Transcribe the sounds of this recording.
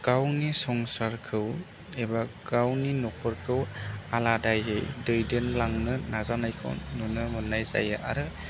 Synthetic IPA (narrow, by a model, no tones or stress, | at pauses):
ɡ̥awnisɔŋsaɾkʰɯw | ebaɡ̥awninɔkʰɔɾkʰɯwaladajɯjdɯjdenlaŋnɯnazanajkʰɔ̰nːunɯmɯnːajza̰jaʔa̰ɾɯ